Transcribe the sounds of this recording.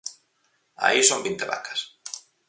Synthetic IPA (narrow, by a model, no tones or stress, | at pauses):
a̰isombint̪eβa̰kḁs